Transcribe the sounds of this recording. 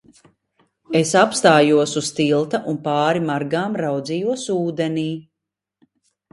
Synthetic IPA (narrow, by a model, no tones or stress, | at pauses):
esapst̪aːjuɔsust̪ilˠt̪ɐʔunpaːɾimaɾɡaːmɾawd̪zijuɔsuːd̪eniː